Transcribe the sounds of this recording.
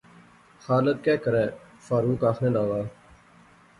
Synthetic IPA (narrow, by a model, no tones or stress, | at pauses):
xaːləkkːɛːkəɾɛːfaːɾuːkaːxʰnẽːlaːʋaː